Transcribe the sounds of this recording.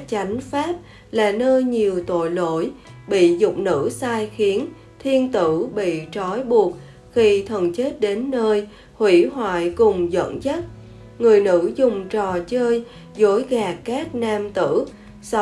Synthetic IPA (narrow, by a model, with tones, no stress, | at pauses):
t͡ɕa˨˦jŋ̟faː˦˥p̚ | laː˨˩nəː˧jɲi˨˩əwt̪o̰˧˨jlo˧˥jɓḭ˧˨zʊ˨˩k͡p̚nɨ̰˧˥saː˧jxi˨˦ən | t̪ʰi˧ənt̪ɨ̰˧˩˥ɓḭ˧˨t͡ɕɔ˨˦jɓu˨˩ət̚ | xi˧t̪ʰə˨˩nt͡ɕe˦˥t̚ɗe˨˦nːəː˧j | hwḭ˧˥ɦwa̰ː˧˨jkʊ˨˩ŋ͡mzə̰˧˨nzə˦˥t̚ | ŋɨ˨˩əjnɨ̰˧˥zʊ˨˩ŋ͡mt͡ɕɔ˨˩t͡ɕəː˧j | zo˨˦jɣaː˨˩kːaː˦˥k̚naː˧mt̪ɨ̰˧˥ | s